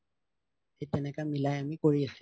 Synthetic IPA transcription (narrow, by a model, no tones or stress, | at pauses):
ɪtʼɛnɛkamilajamikoɾix